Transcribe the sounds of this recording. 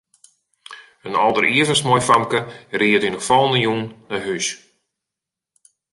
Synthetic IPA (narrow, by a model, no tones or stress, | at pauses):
ənɔlˠdəɾiəvəsmɔjfamkəriətynəfɔlˠnəjunnaɦys